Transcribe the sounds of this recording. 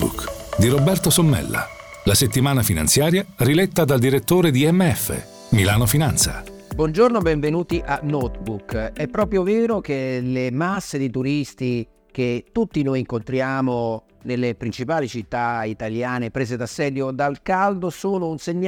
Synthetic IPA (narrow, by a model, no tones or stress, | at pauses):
bṵkd̪iɾobɛrt̪osomːɛ̰lːa̰ | laset̪ːimaːnafina̰nsjaːɾjarilɛt̪ːad̪ald̪iɾet̪ːoːɾed̪iɛmːeɛfːḛ | milaːnofinant̪sa̰ | bwɔnd͡ʒornobɛɱvenuːt̪iʔanːɔt̪bukɛpːɾɔːpɾjoveːɾok̟elemasːed̪it̪uɾist̪i | k̟et̪ːut̪ːinojiŋkont̪ɾjaːmo | nelːepɾint͡ʃipaːlit͡ʃit̪ːait̪aljaːnepɾeːzed̪asːɛːd̪jod̪alkald̪osoːnounseɲː